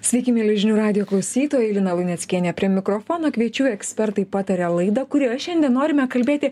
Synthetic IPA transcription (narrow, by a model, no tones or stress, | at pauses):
sʲʋʲɛɪkʲiːmʲiːlʲɛʒʲɪnʲuːɾɑːd̪ʲɪjoːklˠɐʊsʲiːt̪oːjɛɪlʲɪnɐlˠʊnʲɛt̪sʲkʲiɛnʲɛpʲɾʲiɛmʲɪkɾofoːnoːkʲʋʲiɛt͡ʃʲuːjɛksʲpʲɛɾt̪ɐɪpɑːt̪ɐɾʲɛlˠɐɪd̪ɐkʊɾʲiɐʃʲɛnʲd̪ʲiɛnnoːɾʲɪmʲɛkɐlʲbʲeːt̪ʲɪ